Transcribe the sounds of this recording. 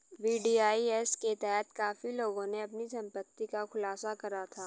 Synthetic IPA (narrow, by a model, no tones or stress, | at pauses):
ʋiːɖiːaːiɛsket̪ɛɦɛt̪kaːfiloːɡõneɐpnisɐ̃mpət̪ːikaxʊlaːsakɐɾat̪ʰaː